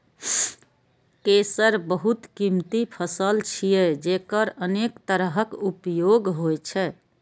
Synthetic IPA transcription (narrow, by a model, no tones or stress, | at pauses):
kesəɾbəɦut̪kimt̪ipʰəsəlt͡ʃʰijɛd͡ʒekəɾənekt̪əɾəɦəkupjoɡɦojt͡ʃʰɛ